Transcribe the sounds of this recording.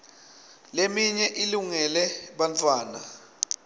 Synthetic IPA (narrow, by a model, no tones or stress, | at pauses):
lemiɲɛʔiluŋɛlɛɓantʰʼwaːna